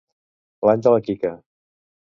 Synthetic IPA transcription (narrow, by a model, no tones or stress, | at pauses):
lanʲd͡ʒələkikə